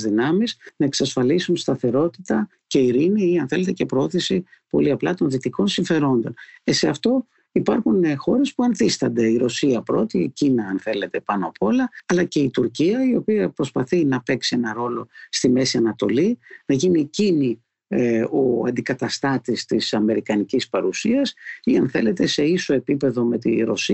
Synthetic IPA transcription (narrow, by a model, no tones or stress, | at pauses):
zðinɐmiznɐeksɐsfɐlisunst̪ɐθe̞ɾo̞t̪i̥t̪ɐ | ce̞iɾiniiɐnθe̞le̞t̪e̞ce̞pɾoo̞θisi | po̞̰liɐplɐt̪o̞nðit̪iko̞nsiɱfe̞ɾo̞nd̪o̞̰neseɐft̪o̞ | ipɐɾxunexo̞ɾe̞spuɐnθist̪ɐnd̪e̞iɾo̞siɐpɾo̞t̪iḛcinɐːnθe̞le̞t̪e̞pɐnopo̞lɐːlɐce̞it̪uɾciɐio̞piɐpɾo̞spɐθinɐpe̞ksie̞nɐɾo̞lo̞st̪ime̞siɐnɐt̪o̞̰linɐʝinicini | oɐ̰nd̪ikɐt̪ɐst̪ɐt̪ist̪isɐme̞ɾikɐnicispɐɾusiɐsiɐnθe̞le̞t̪e̞se̞iso̞e̞pipe̞ðo̞me̞t̪ḭɾo̞̰si